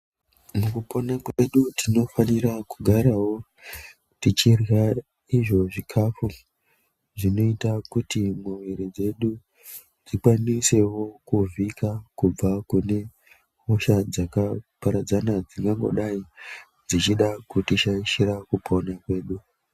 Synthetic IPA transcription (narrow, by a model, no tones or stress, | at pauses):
mukupʰonakwe̞ɗutʰino̞fanirakuɡʱaɾawo̞ | tit͡ʃirɣa | iʐo̞ʐikʰafu | ʐino̞itakutimuʋeɾed͡ze̞ɗu | d͡zikwanise̞wo̞kuvʱikakub͡vakune̞ | oʃad͡zakapaɾad͡zanad͡ziŋɡaŋɡo̰ɗai | d͡zit͡ʃiɗakutit͡ʃaiʃiɾakupʰo̞nakwe̞ːɗu